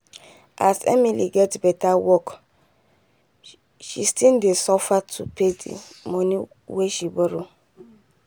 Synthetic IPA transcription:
ʔasɛ̰miliɡɛtbɛtawɔk | ʃistindesɔfatʰupʰedḭmɔ̃ni | weʃiweɾo

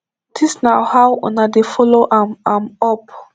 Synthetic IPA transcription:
disnawhawɔ̰̃nadefɔloʔamamɔp

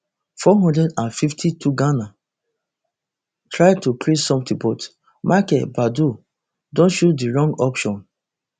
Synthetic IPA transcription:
fɔɦɔ̃ndɹɛdãnfiftʰituɡana | tɹaɪd̚tuklessɔ̃mtĩbɔt | mʔakɛbadu | dõnʃutdiɹɔ̃ŋɡɔpʃɔ̃n

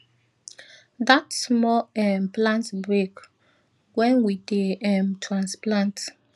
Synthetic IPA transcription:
datsmɔɛmplãntbɹek | wɛ̃nwideɛmtʰɹãnsplãnt

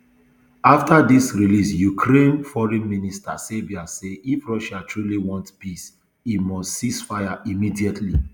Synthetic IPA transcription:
aftadisɹilisjukʰɾẽnfɔɹɛ̃nminista̰sebiaseifɹɔʃatʰɹuliwɔ̃ntpis | imɔstsisfaɪjaʔimidiɛtʰli

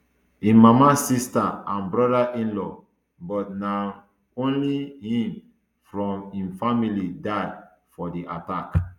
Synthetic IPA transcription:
ĩmamasistaãnbɹɔdaʔĩnlɔ | bɔtna | õnlihĩm | fɹɔ̃mĩnfamilidad | fɔdiʔatak

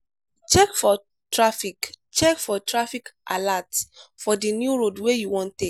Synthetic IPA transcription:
t͡ʃɛkfɔ | tɹafik | t͡ʃɛkfɔtɹafikʔa̰latsfɔdinjuɹodwejuwɔ̃ntek

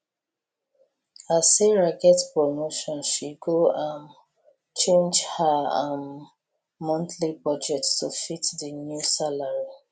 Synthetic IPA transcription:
aseɹakɛtpɹɔmoʃɔ̃nʃiɡoãn | t͡ʃẽnd͡ʒhaan | mɔ̃ntʰlipɹɔd͡ʒɛk̚tstufitdənjusalaɹi

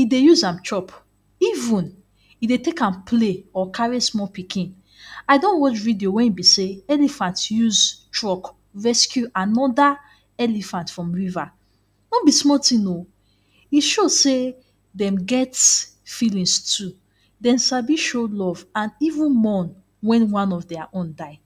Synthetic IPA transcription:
idejuzãmt͡ʃʰɹɔp | ivũn | idetekãnpʰleɔkʰaɹismɔpikĩn | aɪdõnwɔt͡ʃvidiowɛ̃nibiseɛlifãntjuztɹɔk | vɛskjuʔanɔda | ɛlifãntfɹɔ̃mɹiva | nõbismɔtĩno | iʃose | dɛ̃mɡɛtfilĩnstʰu | dɛ̃mʃabiʃolɔvãnivũnmɔ̃n | wɛ̃nwãnɔfdɛaʔõndaɪ

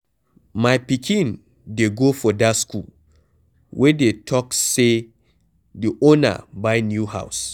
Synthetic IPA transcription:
majpikĩn | deɡofɔdaskul | wʔɛdetʰɔkse | diʔona̰bajnjuɦa̰ws

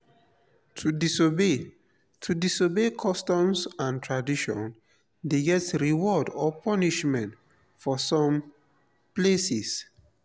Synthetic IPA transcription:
tʰuisobe | tʰudisobekʰɔstɔ̃msãntʰɹadiʃɔ̰̃n | deɡɛtɹiwɔdɔpʰɔniʃmɛ̃nt | fɔsɔ̃m | plesis

